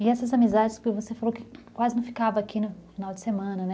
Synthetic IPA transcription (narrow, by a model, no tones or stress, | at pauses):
ɪɛsɐzamizad͡ʒɪskɪvosefalowkɪ̥kwazɪnɐ̃w̃fi̥kavɐːkʰinʊfinawd͡ʒɪsemɐ̃nɐnɛ